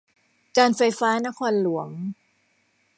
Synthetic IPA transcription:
kaː˧nfa˧jfaː˦˥na˦˥kʰɔː˧nlu˨˩˦əŋ

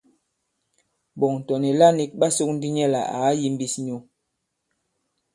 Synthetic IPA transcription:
bɔ˨ŋn˨tɔ˨ni˨la˦ni˦k̚ɓa˦so˦k̚n̩˦di˦ɲɛ˦˨la̰˨a˨˦ji˦m˦bi˦sɲu˦

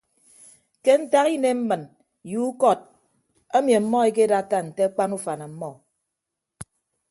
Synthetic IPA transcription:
ke˦n̩˦ta˦ɣi˦ne˦m̩˦mɨ˨n | ju˦kɔ˦˨t̚ | a˦mi˨a˨m̩˦mɔ˦e˦ke˦da˦ta˦n̩˨te˦k͡pa˦nu˦fa˨na˨m̩˦mɔ˦˨

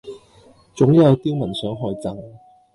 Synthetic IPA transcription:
t͡sʊ˨˥ŋjɐ˨˧wt̪iː˥wmɐ˨˩nsœː˨˥ŋɦɔː˧jt͡saː˧ŋ

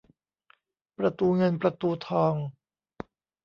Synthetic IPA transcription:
pɾa˧t̪uː˧ŋɤ˧npɾa˧t̪uː˧t̪ʰɔː˧ŋ

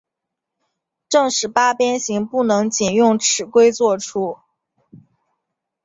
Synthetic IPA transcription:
ʈ͡ʂɤ˥˧ŋʂɻ̩˨˥˩pa˥pjɛ˥nɕi˧˥ŋpu˥˩nɤ˧˥ŋt͡ɕi˨˩njʊ˥˩ŋʈ͡ʂʰɻ̩˨˩kwe˥ɪt͡swɔ˥˩ʈ͡ʂʰu˥

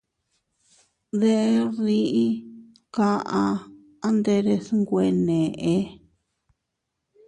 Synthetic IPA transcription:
ðe˦ʔe˦ɾi˧˦ʔi˦ | ka˦ʔã˧ | a˦nd̪e˧ɾe˧sŋɡʷe˧nẽ˨ʔe˧˦

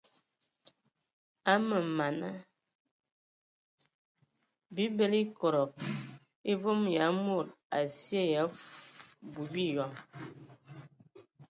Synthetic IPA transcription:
a˦mə˨ma˨nə˦ | bi˦be˦li˦kɔ˨ɾɔ˨p̚ | e˦vo˦mja˨˦mo˦˨ɾa˨sje˦˨ja˨˦ | bu˨bi˦jɔ˨ŋ

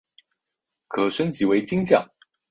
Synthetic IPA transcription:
kʰɤ˨˩ʂə˥nt͡ɕi˧˥we˧˥ɪt͡ɕi˥ŋt͡ɕjɑ̰˨˩ŋ

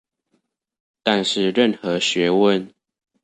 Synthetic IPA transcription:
t̪a˥˧nʂɻ̩˥˨ɻə˥˨nxɤ˨˦ɕɥɛ˨˧˦wə˥˨n

